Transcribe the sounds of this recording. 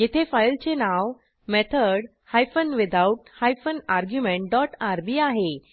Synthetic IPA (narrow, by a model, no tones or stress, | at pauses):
jit̪ʰefajlt͡ɕenaw | mɛt̪ʰəɽ | hajfənʋɪd̪auʈhajfənaɾɡjumẽɳʈ̚ɖɔʈaɾbiaɦe